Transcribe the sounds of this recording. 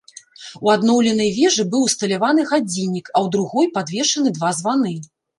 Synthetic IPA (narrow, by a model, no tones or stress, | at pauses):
uad̪nɔwlʲɛn̪ɐjvʲɛʐɨbɨwst̪ɐlʲavanɨɣad͡zʲinʲːikɐwd̪ɾuɣɔjpad̪vʲɛʂɐnɨd̪vazvanɨ